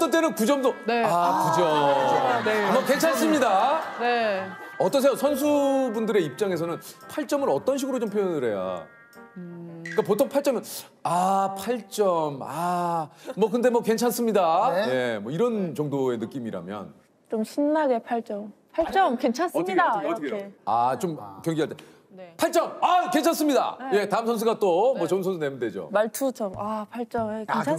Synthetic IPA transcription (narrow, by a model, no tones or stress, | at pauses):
t͈ːʌnt͈enɯnkud͡ʑʌmdoneakud͡ʑʌ | mʌke̞nt͡ɕʰans͈ɯmɲidaneʌt͈ʌs̬ʰe̞josʰʌnsʰubundɯɾe̞ip̚t͡ɕ͈aŋe̞sʰʌnɯnpʰaɭt͡ɕ͈ʌmɯɾʌt͈ʌnɕ̬ʰiɡɯɾot͡ɕompʰojʌnɯɾe̞ja̰ | ik͈apotʰoŋpʰaɭt͡ɕ͈ʌmjʌn | apʰaɭt͡ɕ͈ʌma | mwʌkɯnde̞mwʌke̞nt͡ɕʰans͈ɯmɲidaje̞mwʌiɾʌnt͡ɕʌŋdoe̞nɯk͈imiɾa̰mjʌ̰n | t͡ɕomɕʰinːaɡe̞pʰaɭt͡ɕ͈ʌmpʰaɭt͡ɕt͡ɕ͈ʌmke̞nt͡ɕʰansɯmidaeat͡ɕomkjʌŋɡiɦaɭt͈ʰe | npʰaɭt͡ɕ͈ʌmake̞nt͡ɕʰans͈ɯmɲida̰je̞taɯmsʰʌns̬ʰuɡat͈omwʌt͡ɕʌɯmsʰʌnsʰunemnde̞d͡ʑo̰mːaɭtʰut͡ɕʌmapʰaɭt͡ɕ͈ʌmekenʰ